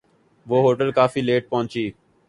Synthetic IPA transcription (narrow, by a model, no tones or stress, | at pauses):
ʋoːɦoːʈəlkaːfiːleːʈ̚pɔ̃ːɲt͡ʃiː